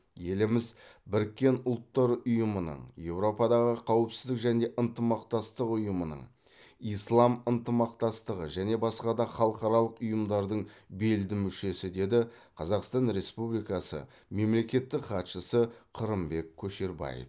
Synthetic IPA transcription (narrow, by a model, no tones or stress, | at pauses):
je̞lɪmɪzbɪɾkʲːe̞nʊlˠt̪ːɑɾʊjəmənə̰ɴje̞wɾo̞pɑd̪ɑʁəqʰɑwəpsɪzd̪ɪkʒæne̞ʔənt̪əmɑqt̪ɑst̪əqʊjəmənə̰ɴ | ijslˠɑmənt̪əmɑqt̪ɑst̪əʁəʒæne̞bɑsqɑd̪ɑχɑlˠəqɑɾɑlˠəqʊjəmd̪ɑɾd̪əɴbe̞ld̪ɪmʏʃe̞sɪd̪e̞d̪ɪ | qʰɑzɑqst̪ɑnɾe̞spublijkɑsə̰ | me̞mle̞kʲe̞t̪ːɪkχɑt̪ʃəsəqʰəɾəmbe̞kʲʰːɵʃe̞ɾbɑ̰jḛf